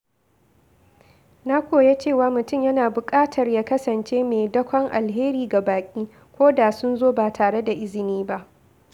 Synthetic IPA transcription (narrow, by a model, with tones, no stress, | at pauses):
na˦kʷoː˨je˦t͡ʃeː˦˨waː˨˦mʊ˨tʊ˦mjɐ˦naː˨bʊ˨kʼaː˦tʰɐ˨rjaː˦kɐ˦sɐ˨nt͡ʃeː˦meː˨dɐ˦kʷɔ˦ŋʔa˨lɦeː˦ɾiː˨ɡa˨baː˨kʲʼiː˦ | kʷoː˦da˨sʊ˦nzoː˦ba˨tʰaː˨ɽe˦da˨ʔɪ˦zɪ˨niː˦ba˦ʔ